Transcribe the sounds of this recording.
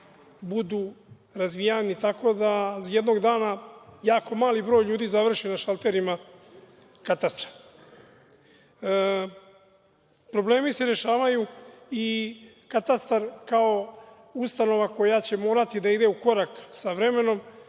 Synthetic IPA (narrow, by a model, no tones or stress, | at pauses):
bud̪uː | ɾazʋijanit̪ako̞d̪ajed̪no̞ɡd̪aːnajaːko̞maːlibɾo̞ːjʎuːd̪izaʋr̩ʃinaʃalˠt̪e̞ɾima | kat̪ast̪ɾḁ | pɾo̞ble̞ːmise̞ɾe̞ʃaːʋajui | kat̪ast̪aɾkao̞ | ust̪ano̞ʋako̞jat͡ɕe̞mo̞ːɾat̪id̪aid̪e̞uko̞ɾaksaʋɾe̞me̞no̞m